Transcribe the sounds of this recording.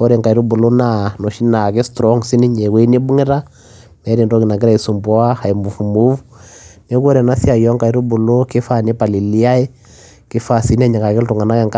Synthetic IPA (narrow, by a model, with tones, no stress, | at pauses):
ɔ˦ɾɛ˨ŋka˨i˦ɾu˦bu˨lo˦na˨no˨ʃi˦na˨ke˦stɾɔ˦ŋsi˦ni˦ɲe˨we˦ni˦bu˦ŋɪ˦ɾa˦ | nɛ˨˦ɾi˨ndɔ˦ki˨na˨ɡɪ˦ɾa˦i˨su˨mbwa˦ha˨i˨mu˨fu˨mu˦fune˦ko˦ɾɛ˨na˦si˦a˨jɔ˦ŋka˨i˨˦ɾu˦bu˨lo˦ke˦fa˦˨ne˦pa˨li˨li˦a˦ɛ˦ | kɪ˦fa˦˨si˨n˦a˦ɲa˨ka˨ke˦ltu˨ŋa˨na˦kɛ˨ŋka˦